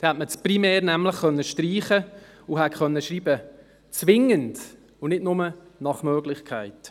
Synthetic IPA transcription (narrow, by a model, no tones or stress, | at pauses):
dhɛtmət͡sprimɛːɾnɛmləχχœnːəʃtriːχə | uɦɛtχœnːəʃɾiːbə | t͡sʋɪŋənd̥ | ʊnɪdnʊmənɑχmœːɡlɪχkʰaɪt